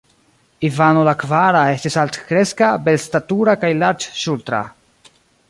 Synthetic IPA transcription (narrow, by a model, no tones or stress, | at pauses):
ivanolakvaɾaestisalt̪kɾeskabelstatuɾakajlaɾd͡ʒʃult̪ɾa̰